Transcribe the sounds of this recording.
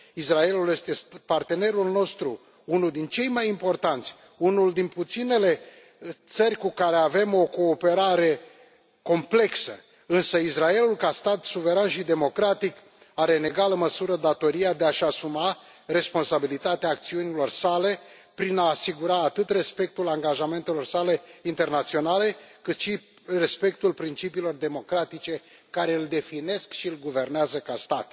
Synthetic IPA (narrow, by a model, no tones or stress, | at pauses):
israe̞luljest̪e̞spart̪e̞ne̞ɾulno̞st̪ɾu | unuld̪int͡ʃe̞jmajimpo̞rt̪ant̪sʲ | unuld̪input̪sine̞le̞ | t̪sərʲkukaɾe̞ave̞mo̞ko̞ːpe̞ɾaɾe̞ | ko̞mple̞ksə̰ | ɨnsəisrae̞lulkast̪at̪suve̞ɾanʃid̪e̞mo̞kɾat̪ik | aɾe̞ne̞ɡaləməsuɾəd̪at̪o̞ɾiad̪e̞aʃasuma | re̞spo̞nsabilit̪at̪eaːk̚t̪siunilo̞rsale̞pɾinaːsiɡuɾaːt̪ɨt̪re̞spe̞k̚t̪ulaŋɡaʒame̞nt̪e̞lo̞rsale̞int̪e̞rnat̪sio̞nale̞kɨt̪ʃi | respe̞k̚t̪ulpɾint͡ʃipiːlo̞rd̪e̞mo̞kɾat̪it͡ʃe̞ | kaɾe̞ɨld̪e̞fine̞skʃiɨlɡuve̞rneazəkast̪at̪